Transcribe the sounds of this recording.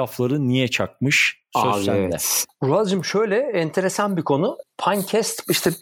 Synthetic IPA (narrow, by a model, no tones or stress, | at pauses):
aflˠaɾɯnijɛt͡ʃʰak̚mɯʃsøsæd̪ɛ̰ɾuad͡ʒimʃø̞jlʲɛɛnt̪ʰe̞ɾesanbikʰo̞nupʰancʰɛst̪iʃt̪ʰɛ